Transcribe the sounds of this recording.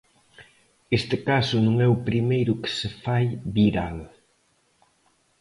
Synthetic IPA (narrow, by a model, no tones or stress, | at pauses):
est̪ɪkasʊnũŋɛʊpɾimejɾʊkɪ̥sefajβiɾal